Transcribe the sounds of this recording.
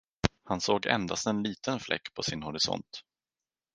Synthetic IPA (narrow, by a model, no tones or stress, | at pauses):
hansoːɡɛ̰nd̪ast̪ɛnliːt̪ʰənflʔɛ̰kːpʰɔsɪnhɔɾɪsɔ̰nt̪